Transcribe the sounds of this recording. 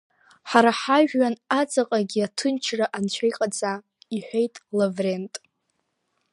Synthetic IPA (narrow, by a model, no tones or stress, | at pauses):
ħaɾaħaʒᶣːanat͡sʼaqʼaɡʲiatʰɨnt͡ʃʰraʔant͡ɕʷʰajqʼad͡zʼa | iħʷᶣejtʼlavre̞ntʼ